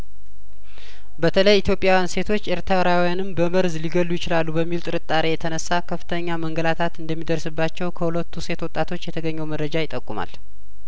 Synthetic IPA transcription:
bət̪ʰələjit̪jo̞pʼjawjanse̞t̪ʰo̞t͡ʃːeɾt̪ʰɾəɾawijanɨmbəməɾzliɡəlːujɪt͡ʃɪlalːubəmːilt̪ʼɨɾɨt̪ʼːaɾejɛt̪ʰənəsːakʰəfːɨ̥t̪ʰəɲːaməŋɡəlat̪ʰat̪ɨnd̪əmːid̪əɾsɨbːat͡ʃːɛwkʰəhulət̪ːuse̞t̪wɔt̪ʼːat̪ʰo̞t͡ʃːjɛt̪ʰəɡəɲːɛwməd̪ɾəd͡ʒajɪt̪ʼːəkʼːuma̰l

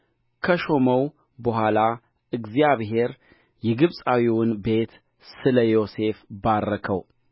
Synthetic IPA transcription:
kʰəʃo̞məw | bəɦʷala | ʔɨɡzijaβɦe̞ɾ | jɛɡɨβsʼawiwʊnbe̞t̪ | sɨləjo̞se̞fbaɾːəkʰəw

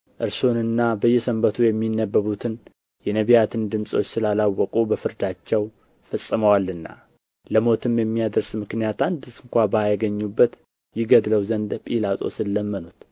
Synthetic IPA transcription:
ʔɨɾsonɨnːabəjːɛsəmbət̪ʰujɛmːinːəbːəβut̪ʰɨn | jɛnəβijat̪ʰɨnd̪ɨmsʼo̞t͡ʃːsɨlalawːɔkʼubəfɨɾd̪at͡ʃːɛw | fəsʼːɨməwalɨnːa̰ | ləmo̞t̪ʰɨmjɛmːijad̪əɾsmɨknijat̪and̪ɨsɨŋkʷabajɡəɲːubːət̪ | jɪɡəd̪ləwzənd̪pʼilat̪ʼo̞̰sɨlːəmːənut̪

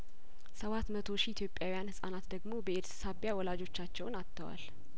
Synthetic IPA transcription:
səβat̪mət̪ʰo̞ʃiːt̪ʰjo̞pʼjawijanhɨsʼa̰nat̪d̪əɡmo̞bəeɾssaβjawɔlad͡ʒo̞t͡ʃːat͡ʃːɛwnat̪ʰːəwa̰l

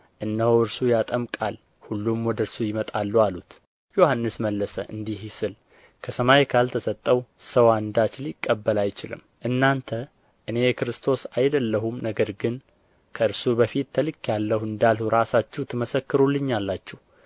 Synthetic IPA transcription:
ʔɨnːəhoɨɾsujat̪ʼəmkʼal | hulːumwɔd̪əɨɾsujɪmət̪ʼalːualut̪ | jo̞hanːɨsməlːəsəʔɨ̰nd̪ihɪsɨl | kʰəsəmajkʰalt̪ʰəsət̪ʼːəwsəwand̪at͡ʃlikʼːəbːəlajt͡ʃɪlɨ̰m | ʔɨnːant̪ʰə | ʔɨne̞jɛkɨɾɨst̪ʰo̞sajd̪əlːəɦumnəɡəɾɡɨn | kʰəɨɾsubəfit̪ːəlɨkːjalːəhɨnd̪alhuɾasat͡ʃːɛwt̪ʰɨməsəkːɨɾulːɨɲːalːat͡ʃːɛh

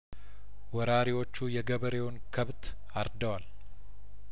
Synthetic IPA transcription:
wɔɾaɾiwo̞t͡ʃːujɛɡəβəɾewnkʰəβt̪ | aɾd̪əwal

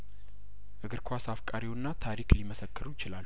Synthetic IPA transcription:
ʔɨɡɨɾkʰʷasafkʼaɾiwnːat̪ʰaɾikliməsəkːɨɾujɪt͡ʃɪlal

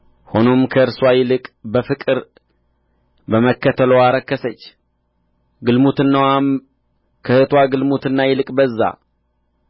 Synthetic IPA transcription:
ho̞no̞mkʰəɨɾswajɪlɨkʼbəfɨkʼɨɾ | bəməkːət̪ʰəlowaɾəkːəsət͡ʃː | ɡɨlmut̪ɨnːawa | kʰəhɨt̪ʰwaɡɨlmut̪ɨnːajɪlɨkʼbəzːa̰

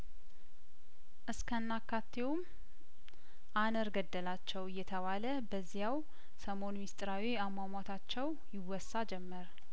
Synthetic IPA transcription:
ʔɨskʰənːakʰːat̪ʰːewm | ʔanəɾɡəd̪ːəlat͡ʃːɛwɨjːɛt̪ʰəβaləbəzːijaw | səmo̞nmist̪ʼɾawiamamʷat̪ʰat͡ʃːɛw | jɪwɔsːad͡ʒɛmːəɾ

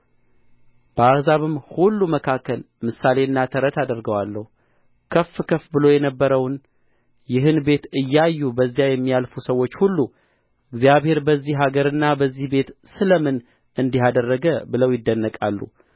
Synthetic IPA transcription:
b̥əazaβɨmhulːuməkʰakːəl | mɨsale̞ɨnːat̪ʰəɾət̪ad̪əɾɡəwalːəhu | kʰəfːkʰəfbɨlo̞jɛnəbːəɾəwn | jɪɦɨnbe̞t̪ɨjːajːubəzːijajɛmːijalfusəwːo̞t͡ʃːhulːu | ʔɨɡzjaβhe̞ɾbəzːihɦaɡəɾɨnːabəzːihbe̞t̪sɨləmɨn | ʔɨnd̪iɦad̪ərːəɡəbɨləwjɪd̪ːənːəkʼalːṵ

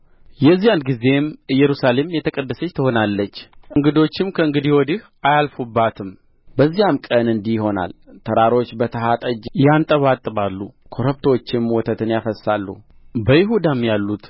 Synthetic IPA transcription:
jɛzːijanɡize̞mɨjɛɾusale̞mjɛt̪ʰəkʼəd̪ːəsət͡ʃːt̪ʰəho̞nalːət͡ʃːʔɨŋɡɨd̪o̞t͡ʃːɪmkʰəɨŋɡɨd̪iwɔd̪ih | ʔajalfubːat̪ʰɨm | bəzːijamkʼənɨnd̪iho̞na̰lt̪ʰəɾaɾo̞t͡ʃːbət̪ʰəɦat̪ʼəd͡ʒjant̪ʼəβat̪ʼɨβalːukʰoɾəpt̪ʰot͡ʃːɪmwɔt̪ʰət̪ʰɨnjafəsːalːṵ | bəjɪɦud̪amjalːut̪

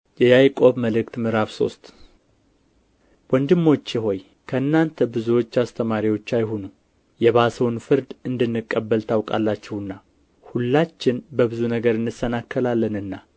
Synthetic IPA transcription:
jɛjajkʼo̞βməlɨkt̪mɨɾaβso̞̰st̪ʼ | wɔnd̪ɨmːo̞t͡ʃːɪɦo̞j | kʰəɨnːant̪ʰəbɨzuwo̞t͡ʃːast̪ʰəmaɾiwo̞t͡ʃːajɦonu | jɛβasəwnfɨɾd̪ɨnd̪ɨnːɨkʼːəbːəlt̪ʰawkʼa̰lːat͡ʃːɛwɨnːa | hulːat͡ʃːɪnbəβɨzunəɡəɾɨnːɨsənakʰːəlalːənɨnːa

